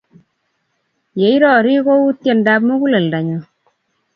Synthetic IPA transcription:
je˨i˦ɾɔ˨ɾi˦ko˦u˦tje˨nda˦pmo˦ku˦le˨lda˨ɲo˨

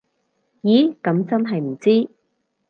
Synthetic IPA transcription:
jiː˨˥kɐ˨˧˥mt͡sɐ˥nɦɐ˨jm̩˨˩t͡siː˥

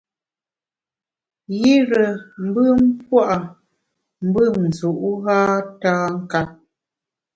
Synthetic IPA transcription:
ji˦ɾə˨m̩˦bɨ˦˨m̩˦pwa˦ʔa˨ | m̩˦bɨ˦n̩˨zu˨ʔu˦ɣaː˦taː˦ŋ̩˦ka˦

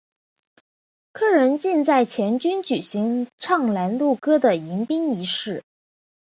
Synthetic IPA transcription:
kʰɤ˥ɻə˧˥nt͡ɕi˥˧nt͡sa˥˩ɪt͡ɕʰjɛ˧˥nt͡ɕy˥nt͡ɕy˨˩ɕi˧˥ŋʈ͡ʂʰɑ˥˩ŋla˧˥nlu˥˩kɤ˥d̪ə˨i˧˥ŋpi˥ŋi˧˥ʂɻ̩˥˩

